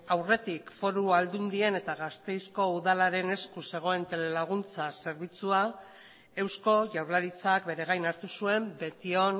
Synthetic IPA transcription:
awre̞t̪ikfo̞ɾuald̪und̪ie̞ne̞t̪aɣast̪e̞jsko̞uðalaɾe̞ne̞skuse̞ɣ̞o̞e̞nt̪e̞le̞laɣ̞unt͡sase̞ɾβit͡sua | e̞wsko̞ʝawɾlaɾit͡sakbe̞ɾe̞ɣ̞ajnaɾt̪usue̞mbe̞t̪io̞n

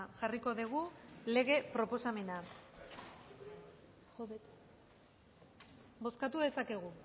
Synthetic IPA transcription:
ʝariko̞ðeɣ̞ule̞ɣ̞e̞pɾo̞po̞same̞na | bo̞skat̪uðe̞sake̞ɣ̞u

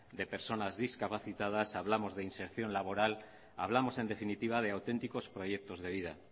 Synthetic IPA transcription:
d̪e̞pe̞ɾso̞nazðiskapaθit̪að̞asaβ̞lamo̞zðeinse̞ɾθjo̞nlaβ̞o̞ɾal | a̰β̞lamo̞se̞nd̪e̞finit̪iβ̞að̞e̞awt̪e̞nt̪iko̞spɾo̞je̞k̚t̪o̞zðe̞β̞iða̰

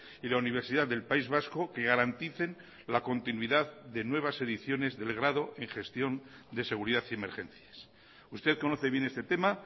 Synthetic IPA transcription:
ilauniβ̞e̞ɾsiðaððe̞lpaizβasko̞ke̞ɣaɾant̪iθe̞n | lako̞nt̪inwiðaððe̞nwe̞β̞ase̞ðiθjo̞ne̞zðe̞lɣɾaðo̞ʔe̞ŋχe̞st̪jo̞nd̪e̞se̞ɣ̞uɾiðaθie̞me̞ɾχẽ̞nθjas | ust̪e̞ðko̞noθe̞βje̞ne̞st̪e̞t̪e̞ma

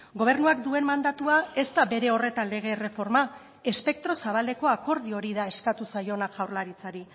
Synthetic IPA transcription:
ɡo̞β̞e̞ɾnuakd̪ue̞nmand̪at̪uae̞st̪abe̞ɾe̞o̞re̞t̪anle̞ɣe̞re̞fo̞ɾma | e̞spe̞k̚t̪ɾo̞saβ̞ald̪e̞ko̞ako̞ɾð̞io̞ɾiðae̞skat̪usajo̞naʝawɾlaɾit͡saɾi

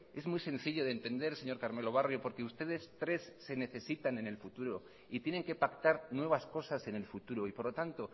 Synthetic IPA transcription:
e̞zmujsẽ̞n̟θiʎo̞ðeːnt̪e̞nd̪e̞ɾse̞ɲo̞ɾkaɾme̞lo̞β̞arjo̞po̞ɾke̞ust̪e̞ðe̞st̪ɾe̞sːe̞ne̞θe̞sit̪ane̞ne̞lfut̪uɾo̞ | it̪je̞ne̞ŋke̞pakt̪aɾnwe̞β̞asko̞sase̞ne̞lfut̪uɾo̞ipo̞ɾlo̞t̪ant̪o̞

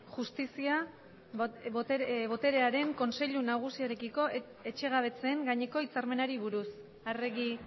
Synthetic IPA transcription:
ʝust̪isia | βo̞t̪e̞ɾe̞aɾe̞ŋko̞nse̞ʎunaɣ̞usioɾe̞kiko̞ | e̞t͡ʃe̞ɣ̞aβ̞e̞t͡se̞ŋɡaɲe̞ko̞it͡saɾme̞naɾiβ̞uɾus | are̞ɣi

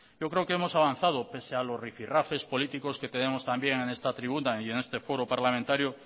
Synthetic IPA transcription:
ɟ͡ʝokɾeokeemo̞saβ̞an̟θað̞ope̞sealozrifirafe̞spolit̪ikosket̪enemost̪ambjeŋẽne̞st̪at̪ɾiβunaienest̪efo̞ɾopaɾlamẽnt̪aɾjo

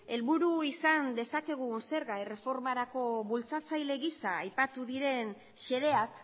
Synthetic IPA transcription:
e̞lβuɾuisand̪e̞sake̞ɣ̞unse̞ɾɣaere̞fo̞ɾmaɾako̞βult͡sat͡sajle̞ɣisaːjpat̪uðiɾe̞n | ʃe̞ðe̞ak

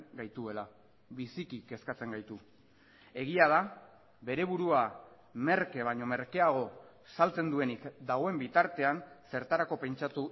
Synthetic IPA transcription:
ɡajt̪ue̞la | βisikike̞skat͡se̞ŋɡajt̪u | e̞ɣiað̞a | βe̞ɾe̞βuɾua | me̞ɾke̞β̞aɲo̞me̞ɾke̞aɣ̞o̞ | salt͡se̞nd̪ue̞nikd̪aɣ̞o̞e̞mbit̪aɾt̪e̞anse̞ɾt̪aɾako̞pe̞nt͡ʃat̪u

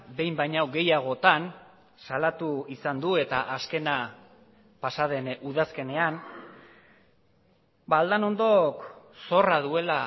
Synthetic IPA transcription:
be̞jmbajɲawɡe̞jaɣ̞o̞t̪an | salat̪uisand̪ue̞t̪aʔaske̞na | pasaðe̞nuðaske̞ne̞an | bald̪ano̞nd̪o̞k | so̞raðue̞la

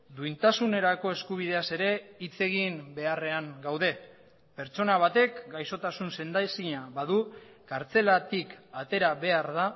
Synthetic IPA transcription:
d̪uint̪asune̞ɾako̞e̞skuβ̞ið̞e̞ase̞ɾe̞it͡se̞ɣ̞imbe̞are̞aŋɡawðe̞ | pe̞ɾt͡so̞naβ̞at̪e̞kɡajso̞t̪asunse̞nd̪asiɲaβað̞u | kaɾt͡se̞lat̪ikat̪e̞ɾaβe̞aɾða

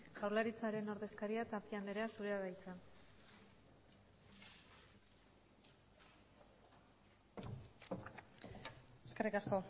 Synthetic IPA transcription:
ʝawɾlaɾit͡saɾe̞no̞ɾðe̞skaɾiat̪apiand̪e̞ɾeasuɾeaɣajt͡san | eskerikasko̞

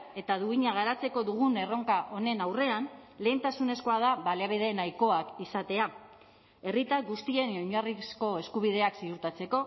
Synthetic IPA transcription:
e̞t̪aðuiɲaɣ̞aɾat͡se̞ko̞ðuɣ̞une̞ro̞ŋkaʔo̞ne̞nawre̞anle̞ːnt̪asune̞sko̞að̞aβaleaβiðe̞najko̞akisat̪e̞a | e̞rit̪aɡust̪ie̞noɲarisko̞e̞skuβið̞e̞aksiuɾt̪at͡se̞ko̞

